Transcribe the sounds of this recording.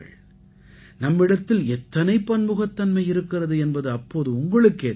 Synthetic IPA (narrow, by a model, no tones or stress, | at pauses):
ɐ̰ɭ | nɐmːɪɽɐt̪ːɪlɛt̪ːɐnɐɪpːɐnmɯɣɐt̪ːɐnmɐɪɪɾɯkːɪrɐðɯɛnbɐðɯɐpːoːðɯʊŋɡɐɭɯkːeː